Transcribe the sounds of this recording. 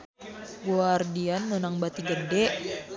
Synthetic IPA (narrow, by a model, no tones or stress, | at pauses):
ɡuardianːonaŋbat̪iɡədɛʔ